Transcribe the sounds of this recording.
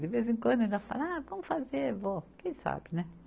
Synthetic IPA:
d̪ɪvezẽkwɐ̃d̪ẽnafa̰lakõmʊfazeɾvokẽj̃sa̰bɪnɛ

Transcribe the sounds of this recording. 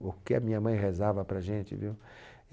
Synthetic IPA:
ʊkɪɐ̰mĩɲɐmɐ̃j̃ɦezavɐpɾɐʒẽnt͡ʃɪ̰viw

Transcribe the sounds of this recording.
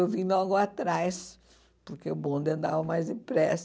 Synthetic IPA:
wvĩɲlɔɡʊat̪ɾajs | pʊɾkeʊbõnd̪ɪɐ̃nd̪avɐmajzd̪ɪpɾɛs

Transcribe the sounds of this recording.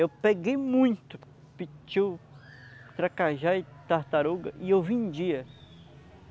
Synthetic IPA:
ewpeɡejmũj̃t̪ʊ̥ | pit͡ʃiw | t̪ɾakaʒaɪt̪aht̪aɾuɡɐ̰ʔɪewvẽd͡ʒiɐ

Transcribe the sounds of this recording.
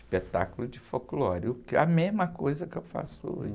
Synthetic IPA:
pet̪a̰kʊlʊd͡ʒɪfoklɔɾʊkɐmezmɐkojzɐkɪewfa̰sʊo̰ʒ

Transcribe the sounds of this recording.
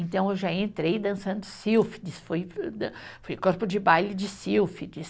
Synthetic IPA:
ẽnt̪ɐ̃w̃ewʒaẽnt̪ɾejd̪ɐ̃sɐ̃nd̪ʊsiwfɪ̥d̪isfojd̪fojkoɾpʊd͡ʒɪbajlɪd͡ʒɪsiwfid͡ʒis

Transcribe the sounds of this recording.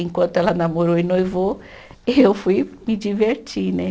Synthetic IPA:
ẽkwɐ̃nt̪ʊɛlɐnamoɾoinojvo | ewfujmid͡ʒiveɾt͡ʃinɛ

